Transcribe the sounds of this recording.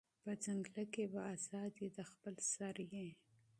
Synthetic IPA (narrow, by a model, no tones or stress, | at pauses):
pəd͡zaŋɡlakebaazɑd̪jed̪əxpəlsaɾje